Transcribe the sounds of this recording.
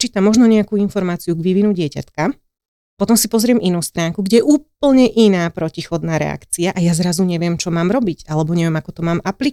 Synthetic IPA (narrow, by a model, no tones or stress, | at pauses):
t͡ʃiːt̪amːɔʒnɔɲɛakuinfɔɾmaːt͡siuɡʋiʋinuɟɪɛca̰t̪ka | pɔt̪ɔmsipɔzɾɪɛminuːst̪ɾaːŋkuɡɟɛjɛʔuːp̚l̩ɲɛʔinaːpɾɔcixɔd̪naːɾɛ̰a̰kt͡siaʔajazɾazuɲɛʋɪɛmt͡ʃɔmaːmɾɔbicalɛbɔɲɛʋɪɛmakɔt̪ɔmaːmʔapli